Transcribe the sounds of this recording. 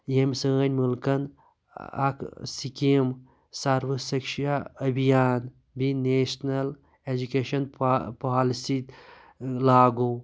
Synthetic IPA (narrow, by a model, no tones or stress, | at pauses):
jemsəːnʲmulkɐn | ɐ̰kʰsikim | saɾʋɐsikʃaɐbʱijaːn | bineːʃnɐl | ed͡ʒukeːʃɐnppaːlisi | laːɡoː